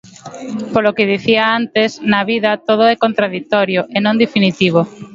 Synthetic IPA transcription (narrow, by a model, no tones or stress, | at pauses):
polokeð̞iθiaant̪esnaβiðɐt̪oð̞oɛkont̪ɾaðik̚t̪oɾjoʔenõŋd̪efinit̪iβ̞o